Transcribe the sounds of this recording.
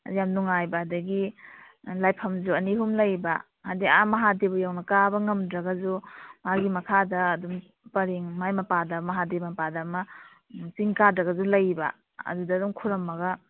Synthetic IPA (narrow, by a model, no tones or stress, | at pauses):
jamnuŋajbɐɐdɐɡi | lajpʰɐmzuɐniɦumlɐjbɐ | ajdiamɐɦadebɐjawnɐkabɐŋɐmdɾɐɡɐzumaɡimɐkʰadɐːdum | pɐɾiŋmajmɐpadɐmɐɦadebmɐpadɐmɐ | siŋkadɾɐɡɐzulɐjbɐ̰ | ɐ̰dudɐːdumkʰuɾɐmːɐɡɐ